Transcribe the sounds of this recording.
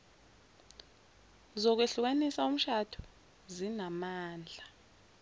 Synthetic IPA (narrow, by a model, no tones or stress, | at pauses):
zɔk̬weɬuk̬anisaum̩ʃadʰu̥ | zinamaːnd͡ɮʱa